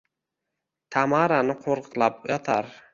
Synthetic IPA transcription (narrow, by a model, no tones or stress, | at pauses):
t̪ʰamaɾanɪqʰoɾqʰɨ̥qlˠapjɒt̪ʰaɾ